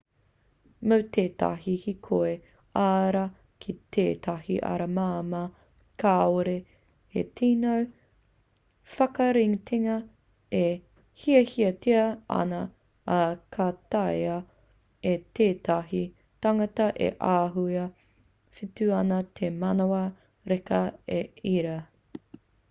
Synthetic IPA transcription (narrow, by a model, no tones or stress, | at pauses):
mɐwtʰeːtɐa̰ɦihikʰoe | aɾɐ | kʰit̪ʰḛːtʰɐhḭʔɐ̰ɾɐmaːmɐ | kʰaːoɾe | ḛtʰiːnow | fɐkɐɾiŋtʰiŋɐ | e | hiɐhiɐtiɐɐ̰nɐː | kʰatajɐ | et̪eːtɐɦi | tɐŋɐtɐʔḛʔaːɦujɐ | fitʉɐnɐt̪ʰemɐnoɐ | ɾekɐeiɾɐ